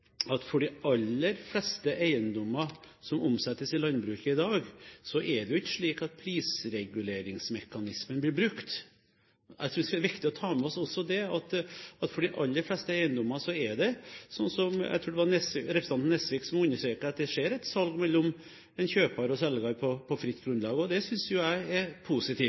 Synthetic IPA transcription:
ɑt̪fɔɖɪɑlːəɾflɛst̪əʔæɪənd̪ɔmːɑ | sɔmʊmsɛt̪ːəsɪlɑnbɾʉːkəɪd̪ɑːɡsɔʔɛɖɛʊɪçːə̥ʂɭiːkɑt̪̚pʰɾiːsɾɛɡʉleːɾɪŋsmɛkːɑnɪsmənblɪɾbɾʉkt̪ | æɪt̪ɾuːʋɖ̪ɛskːɾʋɪkt̪ɪɔt̪ʰɑːmɛɔsɔsːɔd̪ɛɑt̪ɑt̪fɔɖɪʔɑlːəɾflɛst̪əæɪənd̪ɔmːɑsɔɛɖɛsɔnːsɔmæ̰ɪt̪ʰɾuːɖ̪ɛʋɑɾnɛsɾɛpɾəsɑnnɛsʋiːksɔmʉnːəʂʈɾeːkəɾɑt̪̚d̪ɛʂeːɾɛt̪sɑlɡmɛlːɔm | ɛnçøːpʰɑɾɔsɛlɡɑɾpʰɔpʰɔfɾɪt̪ːɡɾʉnd̪lɑːɡəɔd̪ɛsʏnsjʊæɪɛpʰusɪt̪ʰiː

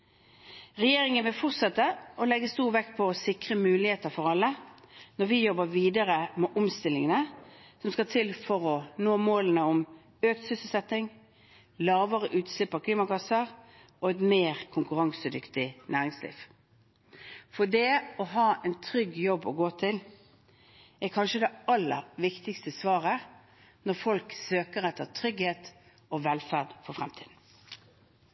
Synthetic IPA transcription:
ʁɛjeːɾɪŋənʋɪlfɔʁt̪sɛt̪ːəʔɔlɛɡːəst̪uːʁʋɛkt̪̚pʰɔɔsɪkʁəmʉːlɪheːt̪əʁfɔʁɑlːənɔɾʋɪjɔbːəʋiːd̪əʁəmɛʔɔmst̪ɪlːɪŋənəsɔmskɑt̪ʰɪlfɔʁɔnoːmoːlənəɔm | øːk̚t̪sʏsəl̩sɛt̪ːɪŋ | lɑːʋəʁəʔʉːt̪slɪpːɑʋkʰliːmɑkɑsəʁ | ɔɛt̪meːʁkʰʊŋkʉʁɑŋsəd̪ʏkt̪ɪnæːʁɪŋslḭːʋ | fɔd̪ɛɔɦɑːʔɛnt̪ʰɾʏɡjɔbːɔɡoːt̪ʰɪl | ɛkʰɑnʃəd̪ɛɑlːə̰ɾʋɪkt̪ɪkst̪əsʋɑːʁə | nɔʁfɔlksøːkəɾɛt̪ːəʁt̪ʰɾʏɡheːt̪ | ɔʋɛlfæʁd̪fɔɾfʁɛ̰mt̪ʰiːd̪n̩

